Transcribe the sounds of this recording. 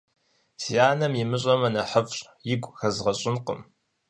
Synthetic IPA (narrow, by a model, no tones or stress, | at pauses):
sijaːnɐmjɪmɨɕʼɐmɐnɐħəfɕʼ | jɪɡʷxɐzʁɐɕʼɪnqə̰m